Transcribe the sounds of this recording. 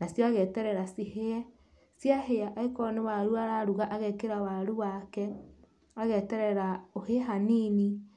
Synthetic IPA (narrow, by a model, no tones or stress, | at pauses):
nasjɔaɣɛtɛɾɛɾasiheɛ | sjaɦeaʔaekɔnewaɾuaɾaɾuɣaʔaɣɛkeɾawaɾuwakɛ | aɣɛtɛɾɛɾaoheɦanini